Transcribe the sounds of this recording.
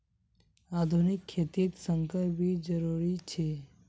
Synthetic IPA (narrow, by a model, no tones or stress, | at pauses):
aːd̪ʱunɪkʰːeːt̪it̪sə̃ŋkʰəɾbʱid͡ʒəɾuɾit͡ʃʰe